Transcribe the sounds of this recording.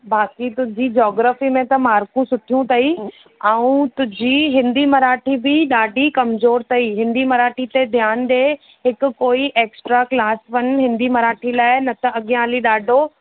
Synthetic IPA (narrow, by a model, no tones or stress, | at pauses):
baːkit̪ʊd͡ʑid͡ʑɔːɡɾaːfimẽt̪ɐmaːɾkũsʊʈʰijũt̪ʰɐi | aːũt̪ʊ̃d͡ʑiɦɪ̃nd̪imɐɾaːʈʰibɪɗaːɖʱikɐmzoːɾt̪ʰɐiːɦɪ̃nd̪imɐɾaːʈʰit̪ed̪ʱjaːnɗ̪e | ɦɪkʊ̆ːoːiʔeːksʈɾaklaːsʋɐnɦɪ̃nd̪imɐɾaːʈʰilaːɪnɐt̪ɐʔɐɠjãːliɗaːɖʱo